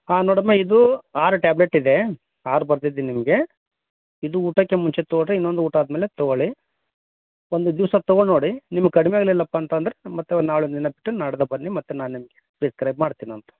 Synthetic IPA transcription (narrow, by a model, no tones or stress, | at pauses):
aːnoːɽɐmːeid̪uaːɾuʈaːbleʈːid̪e̞ | aːɾubɐɾd̪id̪inimɐɡe̞ | id̪uuːʈɐkːemuɲt͡ʃet̪ooʈɾeinːond̪uuːʈɐaːd̪ɐmeːlet̪oɡoɭi | ond̪ud̪iʋsɐt̪ɔɡoɭnoːɽinimɐɡkɐɽimeaːɡɐlilːɐpːaːnt̪ɐːnd̪ɐɾemɐt̪ːunaːɭonɐd̪inɐbiʈːunaːɽɐd̪ɐbɐnːimɐt̪ːunaːnnimɐɡepɾiskɾɐjb̚maːɽt̪iːniɐnt̪ɐ̥